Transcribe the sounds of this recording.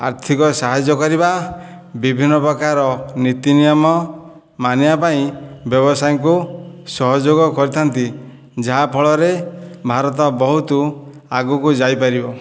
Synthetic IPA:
a̰ɾt̪ʰikɔsaɦad͡ʒɔkɔɾiba | bibʱinːɔpɾɔkaɾɔnit̪inijɔmɔ | manibapaĩbjɔβɔsajɔŋkusɔɦɔd͡ʒoɡɔkɔɾit̪ʰant̪i | d͡ʒaɦapʰɔɭɔɾebʱaɾɔt̪̬ɔbɔɦut̪u | aɡukud͡ʒajpaɾibɔ

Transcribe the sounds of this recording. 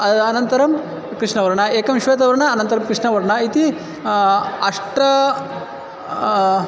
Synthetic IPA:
ɐɐnɐnt̪ɐɾɐm | kɾiʂɳɐʋɐɾɐɳɐeːkɐmiʃʋeːt̪̬ɐʋɐɾɐɳɐːnɐnt̪ɐɾɐmkɾiʂɳɐʋɐɾɐɳɐit̪i | ɐʂʈɐ

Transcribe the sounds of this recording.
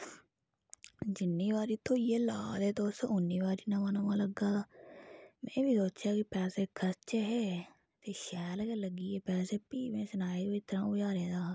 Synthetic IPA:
d͡ʒɪnːiːʋaːɾiːt̪õːjeːla̰ːleːt̪oːʊsʊnːiːʋaːɾiːnãːmənoːmãːləɡaː | mɛ̰̃ːʋiːsoːt͡ʃjaːkɪpɛːseːkʰəɾt͡ʃeːɦɛː | t̪eːʃɛːlkeːləɡiːeːpɛːseːpiːʋẽːsənaːiːit̪əɾãːʊd͡ʒaːɾẽːd̪aː

